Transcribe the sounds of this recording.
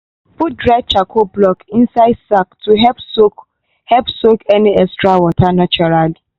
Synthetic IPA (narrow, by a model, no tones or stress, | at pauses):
put̚dɹat͡ʃakʰoblɔkĩnsaɪdsaktʰuɦɛpsok | hɛpsokɛniɛkstɹawɔtʰanat͡ʃɔɾali